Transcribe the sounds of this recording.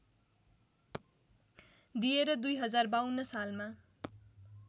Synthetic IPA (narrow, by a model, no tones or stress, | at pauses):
d̪ieɾʌd̪ujɦʌd͡zarbawnːʌsalma